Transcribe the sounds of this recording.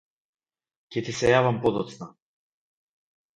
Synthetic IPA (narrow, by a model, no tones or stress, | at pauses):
cɛt̪isɛjavampɔd̪ɔt̪sna